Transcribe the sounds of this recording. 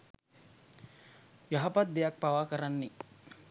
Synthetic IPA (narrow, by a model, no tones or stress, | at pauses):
jaɦapat̪̚d̪ejak̚paʋakəɾanːe